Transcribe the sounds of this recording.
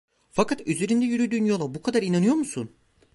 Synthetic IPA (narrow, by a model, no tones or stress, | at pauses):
fakat̪yze̞ɾind̪ɛjyɾyd̪yːnjo̞lˠabukʰad̪aɾinanɯjo̞ɾmusun